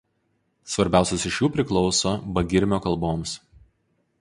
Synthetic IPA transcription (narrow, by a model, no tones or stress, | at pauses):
sʋɐɾʲbʲæˑʊsʲɛsɪʃjuːpʲɾʲɪklˠɔʊsoːbɐɡʲɪɾʲmʲoːkɐlˠboːms